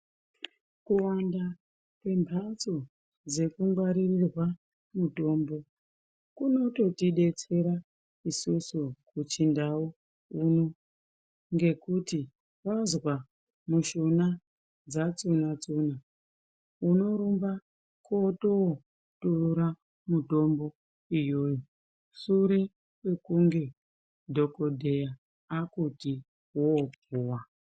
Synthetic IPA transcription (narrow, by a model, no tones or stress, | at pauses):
kuwanda | kwe̞mbʱat͡so | d͡ze̞kuŋɡwaɾirirwa | muto̞ːmbo̞ | kuno̞to̞tiɗe̞t͡se̞ɾa | isusukut͡ʃindawo | uno̞ | ŋɡe̞kuti | ʋazwa | muʃona | d͡zat͡sunat͡suna | uno̞ɾumba | kotowo | tuuɾa | mudʱo̞mbo̞ | ijo̞ːjo | suɾe | wwe̞kuŋɡe̞ | dʱo̞ko̞dʱe̞ja | akuti | wopuːwa